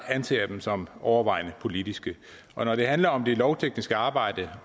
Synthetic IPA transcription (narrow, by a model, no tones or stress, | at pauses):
ænsḛːɐd̥emsɒ̽mʔɒʊɐʋɑ̈ɪ̰nəpʰo̝lid̥isɡ̥ə | ʔɒ̽nɒɾ̥e̝ɦænlɐɒ̽md̥elɒʊt͡sʰeɡ̥nisɡ̥əɑ̈ːb̥ɑ̈ɪ̰d̥ə